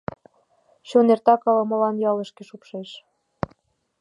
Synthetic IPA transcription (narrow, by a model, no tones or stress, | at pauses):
ɕonert̪ɑkɑlɤ̆mɤ̆lɑnjɑlə̆ʃkĕʃupʃeʃ